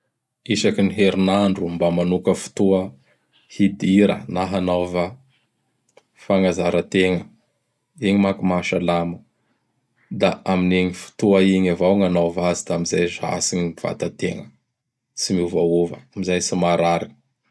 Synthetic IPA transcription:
isakiniɦeɾinaɳɖ͡ʐumbamanukəfu̥t̪uə | hid̪iɾə̰naɦanovə | faŋazaɾət̪eŋə | iɲimakumaʃalamə | d̪aamineɲifi̥t̪uaiɲavawŋanovazid̪aamizajza̰siɲiv̥a̰t̪at̪eŋə | simiuvauvə̰amizajsimaɾaɾini

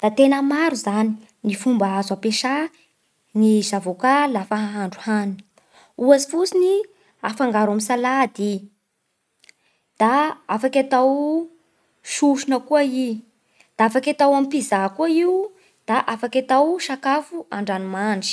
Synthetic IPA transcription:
d̪̥at̪enəmaɾuzani | nifumbaazapeʃa | nizavokalafaɦaɦaɳɖ͡ʐu̥hani | uazi̥fut͡sini | afaŋɡaɾamisalad̪i | d̪̥aafakʲat̪aw | ʃuʃunəkuai | d̪̥aafakʲat̪awamipizakuaiu | d̪̥aʔafakʲat̪awʃakafuaɳɖ͡ʐanimanʈ͡ʂi̥

